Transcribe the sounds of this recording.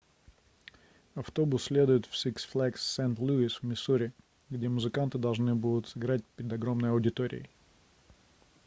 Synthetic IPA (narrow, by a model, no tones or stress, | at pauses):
ɐft̪obʊsːʲlʲe̞d̪ʊjɪt̪fsʲiksʲflʲˠækssent̪lʲuisvmʲɪsuɾʲɪ | ɡdʲe̞mʊzɨkant̪ɨd̪ɐlˠʐnɨbud̪ʊt̪sɨɡɾat̚ʲpʲɪɾʲɪd̪ɐɡɾo̞mnəjɐʊdʲɪt̪oɾʲɪ̰ɪ